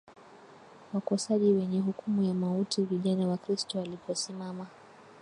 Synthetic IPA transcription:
wakɔsaʄiwɛɲɛɦukumujamautiviʄanawakɾistɔalipɔsimama

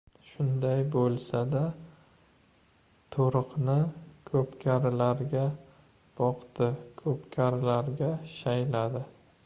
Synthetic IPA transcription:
ʃʊnd̪ajbolˠsad̪a | t̪ʰoɾɨqnɪkʰɵpkʲʰaɾɪlaɾɡʲa | b̥ɒqt̪ɪkʰɵpkʲʰaɾɪlaɾɡʲaʃajlad̪ɪ

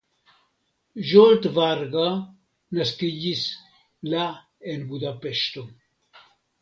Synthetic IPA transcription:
ʒolt̪vaɾɡa | nəskiʎis | la | enbud̪apeʃt̪o

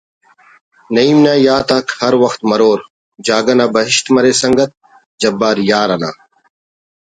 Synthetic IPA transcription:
nəiːmnaːjaːt̪aːkʰhɐɾʋɐxt̪mɐɾoːɾ | d͡ʒaːɡənãːbəɦɪʃt̪mɐɾeːsɐŋɡət̪̚ | d͡ʒɐbːaːɾjaːɾana̰ː

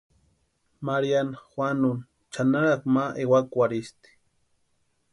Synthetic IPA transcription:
maɾjanxwanʊn | t͡ʃanaɾakmaʔewakʷaɾist̪i̥

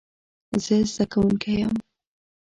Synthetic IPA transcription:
zəzd̪akawuŋkejam

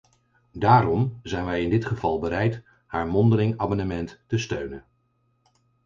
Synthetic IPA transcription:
daːɾɔmzɛjnʋɛjɪndɪtχəvɑlˠbəɾɛjt | haːɹmɔndəlɪŋaːmɑnəmɛntːəstøɥnən

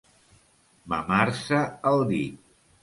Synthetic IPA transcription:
ma̰maɾsəəlˠd̪i

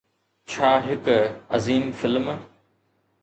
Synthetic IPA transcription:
t͡ɕʰaːɦɪkɐziːmfɪlm

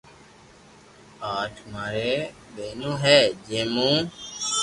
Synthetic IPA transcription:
aːʈʰmaːɾeː | ɓeːnõːɦɛːd͡ʒẽːmũː

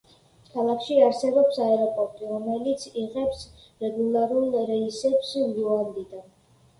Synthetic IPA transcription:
kʰalˠakʰʃiaɾsɛbɔpsaɛɾɔpʼɔɾt̪ʼiɾɔmɛlit̪sʰiʁɛps | ɾɛɡulˠaɾulˠɾɛisɛpsjuand̪id̪an

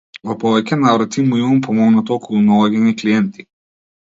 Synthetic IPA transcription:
vɔpɔvɛcɛnavɾat̪imuimampʰɔmɔɡnat̪ɔɔkɔlˠunalˠaɡʲɛnikliɛnt̪i̥

